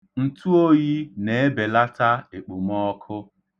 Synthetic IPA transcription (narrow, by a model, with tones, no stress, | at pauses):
n̩˨tu˦o˦ji˦ne˨e˦be˨la˦ta˦e˨k͡pu˨m˦ɔ˦kʰʊ˦